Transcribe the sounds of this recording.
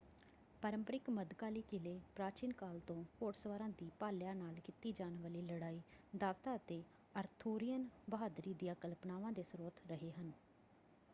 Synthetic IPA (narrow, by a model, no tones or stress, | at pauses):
pəɾəmpəɾɪkməd̪kaːliːkɪleːpɾaːt͡ʃiːnkaːlt̪õːkoːʈsəʋaːɾãːd̪iːpaːljãːnaːlkit̪iːd͡ʒaːnʋəːliːləɽaːiːd̪aːʋt̪aːət̪eː | əɾt̪ʰuːɾɪjənbəɦaːd̪ɾiːd̪ɪjãːkəlpnaːʋãːd̪eːsəɾoːt̪ɾəɦeːɦən